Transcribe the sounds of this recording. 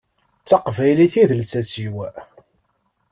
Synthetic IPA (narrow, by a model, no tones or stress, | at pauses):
t͡sːɑqvæjliθiðəlsæsiwæ